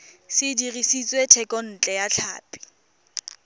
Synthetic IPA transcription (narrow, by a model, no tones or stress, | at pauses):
sɪdirisit͡sʼwetʰɛkʼɔn̩t͡ɬʼɛjat͡ɬʰa̰ːpʼi̥